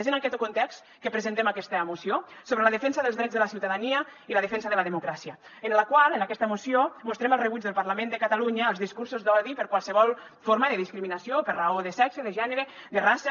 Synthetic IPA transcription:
zənakɛt̪okunt̪ɛkst̪ | kəpɾəzənt̪emakɛst̪əmusiosoβɾələðəfɛnsəðəlˠzðɾɛd͡zðələsiwt̪aðaniəiləðəfɛnsəðələðəmukɾasiə | ənləkwalˠənakɛst̪əmusiomust̪ɾɛməlˠrəβuzðəlˠpaɾlamẽnd̪əkat̪aluɲəːlˠzðiskuɾsuzd̪ɔðipəɾkwalˠsəβɔlˠ | foɾmaðəðiskɾiminasiopəɾraoðəsɛkseðəʒɛnəɾə | d̪ərasə

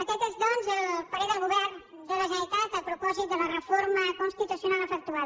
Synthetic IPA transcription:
əkɛt̪ezd̪ɔnzpəɾiðəlɡuβɛɾn | d̪ələʒəit̪at̪əpɾupɔzit̪̚d̪ələrəfoɾməkonst̪it̪usjonaləfək̚t̪uað

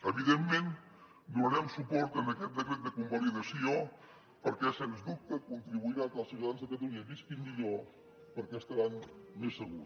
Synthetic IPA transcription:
əβiðemːen | d̪unəɾɛmsupɔɾt̪ənəkɛt̪̚d̪əkɾɛt̪̚d̪əkumbaliðəsio | pəɾkɛsɛnzd̪up̚t̪əkunt̪ɾiβuiɾat̪əlˠsiut̪aðanzðəkət̪uiəβiskind̪iʎo | pəɾkɛst̪əɾaɲmesːəɣuɾ

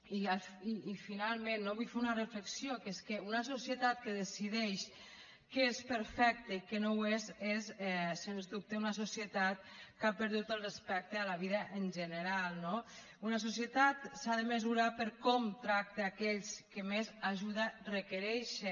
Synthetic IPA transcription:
iafiːfinalˠmẽnːoβujfeunərəfləksijokeskeunəsosjət̪at̪̚kəðesiðɛʃ | kespəɾfɛk̚t̪əikənowezezɛsenzd̪up̚t̪eunəsosjət̪at̪̚kapəɾðut̪əlˠrespɛk̚t̪əalaβiðəʔənʒənəɾalˠno | unəs̬osjət̪at̪saðəməzuɾapəɾkɔmt̪ɾak̚t̪eːkɛʎskəmezaʒuðərəkəɾɛʃə

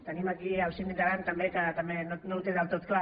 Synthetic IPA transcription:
t̪animakiawsimid̪aɾant̪ambekat̪amenonout̪eðalt̪ot̪kla

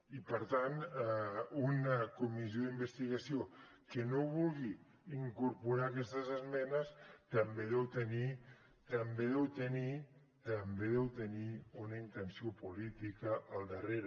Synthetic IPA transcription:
ipəɾt̪an | unəkumizjoðimbəst̪iɣɐsijokənoβulˠɣi | iŋkuɾpuɾakɛst̪əzəzmɛnəst̪ɐmbeðɛwt̪əni | t̪əmbeðɛwt̪əni | t̪əmbeðɛwt̪əniunəint̪ənsiopulit̪ikəʔːlˠd̪əreɾ

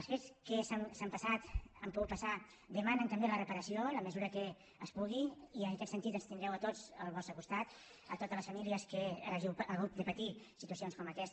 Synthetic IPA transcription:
əlˠsfet͡skəsamsampəsat̪əmpuɣut̪pəsa | d̪əmanənt̪əmbelərəpəɾəsioləməzuɾəkə | əspuɣ̞iiənəkɛt̪sənt̪it̪ənst̪ind̪ɾɛwət̪ozəlˠβɔst̪ɾəkust̪at̪ | ə̰t̪ot̪ələsfəmiliəskəʒiəɣut̪̚d̪əpət̪isit̪uəsionskɔməkɛs

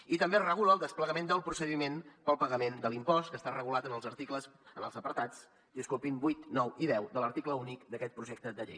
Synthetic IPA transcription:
it̪əmberəɣ̞uləːlˠd̪əspləɣəmend̪əlˠpɾusəðimenpəlˠpəɣəmend̪əlimpɔst̪kəst̪arəɣulat̪ənəlˠzəɾt̪ikləsənəlˠzəpəɾt̪at͡s | d̪iəskulpimbujt̪nɔwiðɛwd̪ələɾt̪ikləunikd̪əkɛt̪̚pɾuʒɛk̚t̪əd̪əʎej

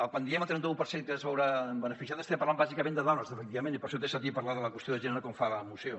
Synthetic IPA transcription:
əkwand̪iɛməlˠt̪ɾɛnt̪əupəɾseŋkəzβɛwɾaəmbənəfisjaðəst̪epɐɾlambazikəmẽnd̪əðɔnəzəfəkt̪iβɐmẽnipəɾʃɔt̪esat̪ipɐɾlaðələkwəst̪joðəʒenəɾəkɔmfaəmuso

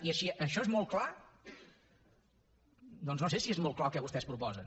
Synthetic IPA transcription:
iəʃiʔəʃɔezmɔlˠkla | d̪ɔnznosesiezmɔlˠklˠalˠkɛβust̪ɛspɾupɔzən

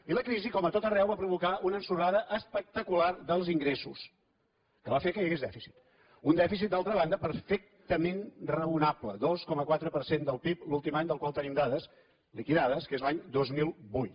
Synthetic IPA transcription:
iləkɾizikɔmət̪ot̪ərɛwβapɾuβ̞ukaʔunənsuɾaðəʔəspək̚t̪əkularðəlˠziŋɡɾesṵs | kəβafekəjəɣezðɛfisi̥t̪ | und̪ɛfis̬it̪̚d̪alˠt̪ɾəβand̪əpəɾfek̚t̪əmenrəunapləðoskɔməkwat̪ɾəpəɾsend̪əlˠpiplulˠt̪imaɲd̪əlˠkwalˠt̪ənimd̪aðəs | likiðaðəskezlaɲd̪ozmilˠbujt̪

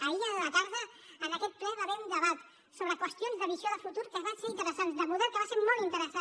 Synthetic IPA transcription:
əiələt̪aɾðəənəkɛt̪̚plɛβaβɛund̪əβat̪ | soβɾəkwəst̪jonzðəβizioðəfut̪uɾkəβanseɾint̪əɾəsanzd̪əmuðɛkəβaseɾmolˠt̪int̪əɾəsa

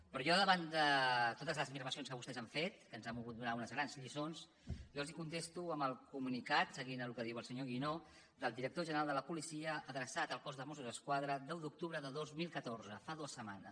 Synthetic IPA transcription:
pɾɔʒɔðəβand̪ət̪ot̪əzləzmiɾməsionskəβust̪ɛzaɱfet̪̚kənzɛmuɣut̪̚d̪unaunəzɣɾanzʎisons | jɔlzikunt̪est̪uəmbəlˠkumunikat̪səɣinəlukəðiwəlˠsəɲoɣ̞ino | ðəlˠd̪iɾək̚t̪oʒənəɾalˠd̪ələpulisiəʔəðɾəsat̪əlˠkɔzðəmosuzəskwaðɾəd̪ɛwðuk̚t̪uβɾəðəðozmilˠkət̪oɾzəfaðuəsəma̰nə

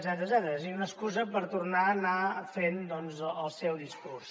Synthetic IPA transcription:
zɛt̪ɾəzɛt̪əɾəsiiunəskuzəpəɾt̪uɾnaːnafend̪ɔnzəlˠsɛwðiskurs

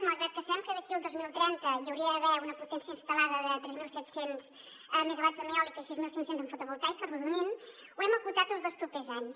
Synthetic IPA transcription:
məɣɛt̪̚kəsβɛmkəðəkiəlˠd̪ozmilˠt̪ɾɛnt̪əʎəwɾiəːβɛunəput̪ɛnsiəinst̪əlaðəðət̪ɾɛzmilˠsɛt̪senz̥ | əmiɣəβazəmiɔlikisizmilˠsiŋsenzəɱfut̪uβulˠt̪ajkəruðunin | uɛməkut̪at̪əlˠzðolˠspɾupezaɲs

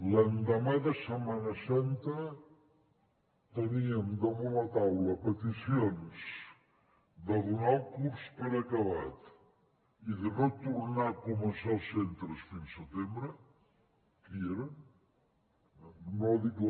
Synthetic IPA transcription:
lɐnd̪amaðɐsəmanɐsant̪ə | t̪əniəmd̪əβulɐt̪awlɐpət̪isjons | d̪əðunawkuɾspəɾakɐβat̪ | iðənot̪uɾnakumənsalˠsent̪ɾəsfinsət̪embɾə | kieɾən | noðik

